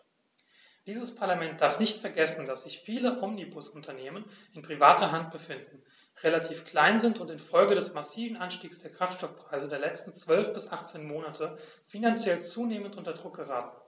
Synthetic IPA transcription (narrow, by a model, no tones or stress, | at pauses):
d̥iːzəspʰaɐlamɛnt̚d̥aɐfnɪçtfɛɐɡɛsn̩d̥asz̥ɪçfiːləʔɔmnibʊsʊntʰɐneːmən | ɪnpʁ̥ivaːtɐɦant̚b̥əfɪndn̩ | ʁelatʰiːfkl̥aɪnzɪntʊntɪnfɔlɡədɛsmasiːvn̩ʔanʃtiːksd̥eːɐkʁ̥aftʃtɔfpʁ̥aɪzədeːɐlɛt͡stn̩t͡sv̥œlfb̥ɪsʔaχt͡seːnmoːnatʰə | finant͡sjɛlt͡suːneːməntʔʊntɐdʁʊk̚ɡ̥əʁaːtn̩